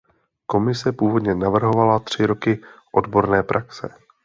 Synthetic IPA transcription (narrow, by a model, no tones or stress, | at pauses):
ko̞mɪsɛpuːvo̞dɲɛnavr̩ɦo̞valat̪r̝̥ɪɾo̞kɪʔo̞dbo̞ɾnɛːpɾʔaksɛ̰